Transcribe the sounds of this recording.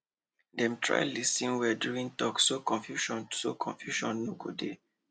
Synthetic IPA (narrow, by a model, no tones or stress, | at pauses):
dɛ̃mtʰɹa̰jlisĩnwɛduĩntɔksokɔ̃nfjuʃɔ̃nsokʰɔ̰̃nfjuʃɔ̰̃nːoɡo̰de